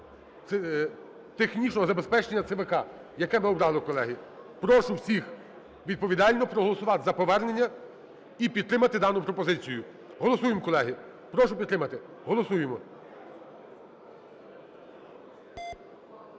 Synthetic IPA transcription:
ɛ | t̪exnʲit͡ʃnɔɦɔzɐbespɛt͡ʃenʲːɐt̪sɛʋɛkɑ | jɐkɛmɪɔbɾɑlˠɪkɔlˠɛɦipɾɔʃʊwsʲix | ʋʲid̪̚pɔʋʲid̪ɑlʲnɔpɾɔɦɔlˠɔsʊʋɑt̪ɪzɐpɔʋɛrne̞nʲːɐ | ipʲid̪t̪ɾɪmɐt̪ɪd̪ɑnʊpɾɔpɔzɪt͡sʲijʊ | ɦɔlˠɔsujemkɔlˠɛɦi | pɾɔʃʊpʲid̪t̪ɾɪmɐt̪ɪ | ɦɔlˠɔsujemɔ

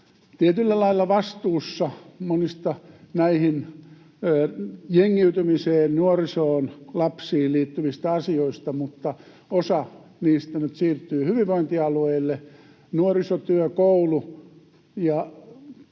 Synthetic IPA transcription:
t̪iet̪ylːælɑilːɑʋɑst̪uːsːɑmonist̪ɑnæihinː | jeŋːiyt̪ymiseːnnuorisoːnlɑpsiːlliːt̪ːyʋist̪æɑsioist̪ɑmut̪ːɑ | osɑ | niːst̪ænyt̪siːrt̪ːyːhyʋiʋʋoint̪iɑlueilːe | nuorisot̪yøkoulu | jɑ

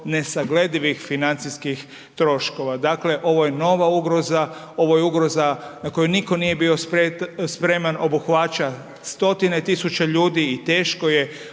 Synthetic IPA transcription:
ne̞saɡle̞d̪iʋixfinant̪siskix | t̪ɾo̞ʃko̞ʋad̪aːkle̞ʔo̞ʋoje̞no̞ʋauɡɾo̞za | o̞ʋojeuɡɾo̞zanako̞juniko̞nije̞bio̞spɾet̪spɾe̞manʔo̞buxʋat͡ʃa | st̪o̞t̪ine̞t̪isut͡ʃaʎuːd̪iːt̪e̞ːʃko̞je̞

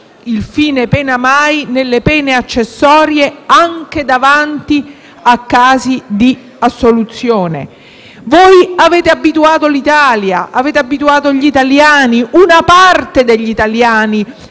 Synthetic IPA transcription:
ilfiːnepɛːnamajnelːepɛːneat͡ʃːesːɔːɾjeaŋk̟ed̪avant̪i | akːaːzid̪i | asːolut̪sːjoːnḛ | vojaveːt̪eabːit̪uaːt̪olit̪aːljaʔaveːt̪eabːit̪uaːt̪oʎit̪aljaːniʔunapart̪ed̪eʎːit̪aljaːni

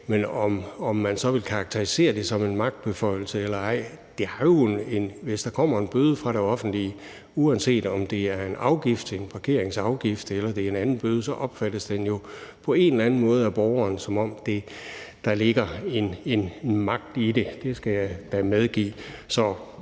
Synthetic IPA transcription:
menɒmɒ̽mːænsɒ̽ʋe̝lkʰɑ̈ːɡ̥̚t͡sʰeʁise̝̰ːɐd̥e̝sɒ̽me̝nmɑ̈ɡ̥̚d̥̚b̥e̝fɒ̽ɪ̰l̩səelɐɑ̈ɪ̰ | d̥e̝æɐjo̝ne̝nʋe̝sd̥ɑ̈kʰɒ̽m̰ɐe̝nb̥øːð̞ˠfʁɑ̈ɾ̥e̝ɒ̽fn̩d̥li | uɛnse̝̰ːd̥ɒ̽md̥e̝æɐe̝nɑ̈ʊɡ̥ifd̥ʰenpʰɑ̈kʰe̝̰ɐ̰eŋsɑ̈ʊɡ̥ifd̥elɐd̥e̝e̝nænn̩b̥øːð̞̩ˠsɒ̽ʔɒ̽b̥fæd̥əsd̥enjo̝pʰɒ̽e̝nelænn̩mɔ̽ːð̞̩ˠæb̥ɒːʊɐːnsɒ̽mɒ̽m̰d̥e̝d̥ɑ̈le̝ɡ̥ɐenenmɑ̈ɡ̥̚d̥id̥e̝d̥e̝sɡ̥æjɑɪd̥æmeð̞ˠɡ̥ḭːsɒ̽

